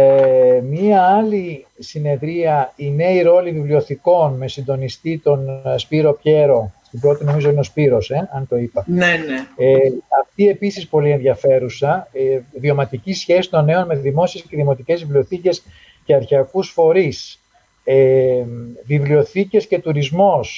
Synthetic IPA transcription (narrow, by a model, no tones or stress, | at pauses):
emiɐɐlisine̞ðɾiɐineiɾo̞livivlio̞θiko̞nme̞sind̪o̞nist̪it̪o̞nspiɾo̞pçe̞ɾo̞st̪imbɾo̞t̪ino̞mizo̞ineo̞spiɾo̞se̞ɐnt̪o̞ipɐneneeɐft̪ie̞pisispo̞lie̞nðʝɐfe̞ɾusɐðio̞mɐt̪icisçe̞si̥t̪o̞nːe̞o̞nme̞ðimo̞sie̞sce̞ðimo̞t̪ice̞zvivlio̞θice̞s | ce̞ɐɾçeɐkusfo̞ɾis | e | vivlio̞θice̞sce̞t̪uɾizmo̞s